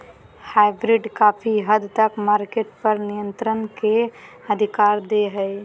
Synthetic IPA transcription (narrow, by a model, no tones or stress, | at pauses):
hajbɾiɖkapʰiɦəd̪t̪əkmaɾkeʈpəɾnijənt̪ɾənkeəd̪ʱikaɾd̪eɦəj